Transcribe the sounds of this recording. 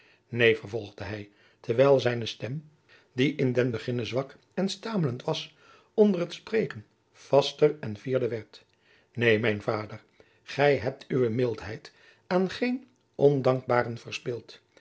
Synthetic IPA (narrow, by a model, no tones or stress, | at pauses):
nejvərvɔlˠχdəɦɛj | tʰəɹʋɛjlˠzɛjnəstɛm | diʔɪndɛnbəχɪnəzʋɑk | ɛnstaːmələntʋɑs | ɔndərətsprejkən | v̥ɑstərɛnviːɹdəʋɛɹt | nejmɛjnvaːdər | χɛjɦɛp̚tʰyʋəmɪlˠtɦɛjt | aːnχejn | ɔndɑŋk̚baːrənvərspɪlˠt